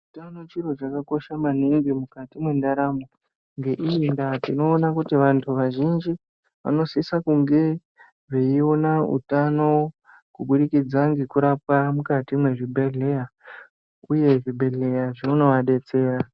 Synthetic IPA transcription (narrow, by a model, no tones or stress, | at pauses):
t͡ʃitanot͡ʃiro̞t͡ʃakako̞ʃaman̤iŋɡimukatimwendaɾamo | ŋɡe̞ʔiindatino̞ːnakutiʋantʰuʋaʒind͡ʒi | ʋa̰no̞sisakuŋɡe̞ | ʐeionaṵtano̞ | kuɓuɗikid͡zaŋɡekuɾapamukatimwe̞ʐibʱe̞ɮe̞ja | uje̞ʐibʱe̞ɮe̞jaʐeuno̞ʋaɗe̞t͡se̞ːra